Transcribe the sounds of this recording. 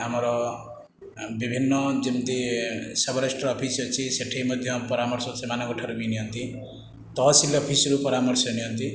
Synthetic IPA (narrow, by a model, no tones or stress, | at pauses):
ɦamɾʌ | bibʱinːʌd͡zimt̪isʌbʌɾasʈrʌːpʰisʌt͡sʰĩseʈʰejmʌd̪ʱjʌpʌɾamʌrsʌsʰemanaɡɔʈʰaɾubiniɦʌnt̪i | t̪ʌɦsileʌpʰisʌɾupʌɾamʌrsʌniɦʌnt̪i